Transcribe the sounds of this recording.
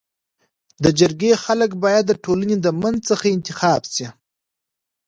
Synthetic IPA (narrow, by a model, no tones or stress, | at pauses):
d̪əd͡ʒaɾɡexaləkbɑjad̪ːəʈʰolaned̪əmanzt͡səxaɪnt̪ɪxɑːbsi